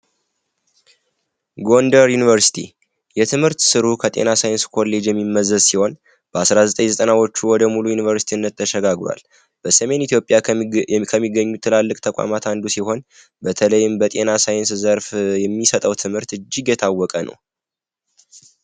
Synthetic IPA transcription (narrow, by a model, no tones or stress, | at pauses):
ɡo̞nd̪əɾjunivəɾsi̥t̪ʰi | jɛt̪ʰɨmhɨɾt̪sɨɾukʰət̪ʼe̞̰nasajnskʰo̞lːe̞d͡ʒjɛmːimːəzːəzsiho̞n | b̥əasɾazət̪ʼəɲzət̪ʼənawot͡ʃːuwɔd̪əmulujunivəɾsi̥t̪ʰiɨnːət̪ːʰəʃɛɡaɡlwa̰l | b̥əsəme̞nit̪ʰjo̞pʼːjakʰəmːiɡːəɲːut̪ʰːɨlalːɨkʼt̪ʰəkʼa̰mat̪and̪usiho̞n | bət̪ʰələjːɪmbət̪ʼe̞nasajɪnszəɾfjɛmːisət̪ʼəwt̪ʰɨmhɨɾt̪ɨd͡ʒːiɡjɛt̪ʰawːɔkʼənʔə̰w